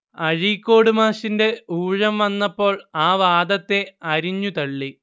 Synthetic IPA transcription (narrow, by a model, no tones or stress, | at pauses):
ɐɻikʲːo̞ːɽumaːɕinde̞uːɻɐmʋɐnːɐpːo̞ːɭaːʋaːd̪ɐt̪ːe̞ɐɾiɲːut̪ɐɭːi